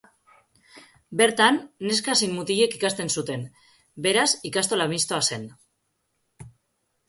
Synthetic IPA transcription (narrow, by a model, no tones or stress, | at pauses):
be̞ɾt̪anːe̞skasinmut̪iʎe̞kikast̪e̞nsut̪e̞n | be̞ɾasikast̪o̞lamist̪oase̞n